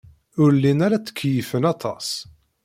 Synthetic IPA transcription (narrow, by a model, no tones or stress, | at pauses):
ʊɾlːinæɾæt͡sːə̥kʰːjəfənɑt̪ˤʰɑ̰s